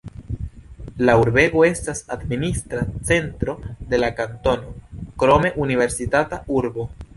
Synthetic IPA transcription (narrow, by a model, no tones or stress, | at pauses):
lauɾbe̞ɡo̞e̞stasadministɾat͡se̞ntɾo̞de̞lakanto̞no̞kɾo̞me̞ʔunive̞ɾsitatauɾbo̞